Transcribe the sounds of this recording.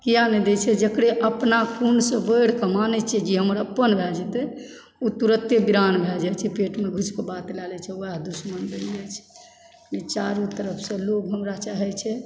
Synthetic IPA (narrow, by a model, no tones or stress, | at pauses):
kijanɛd̪et͡ʃʰɛd͡ʒəkɽeʔəpnakʰunsə̃bəɽkəmanɛt͡ʃʰɛd͡ʒiɦəməɾəpːənbʱɛld͡ʒɛt̪ɛ | ut̪uɾət̪jebiɾanbʱɛld͡ʒat͡ʃʰɛpeʈmeɡʱut͡ʃkebat̪lɛlɛt͡ʃʰɛuad̪usmənbəljɛt͡ʃʰɛ̥ | lit͡ʃaɾut̪əɾəpʰsẽloɡɦəmɾat͡ʃaɦɛt͡ʃʰɛ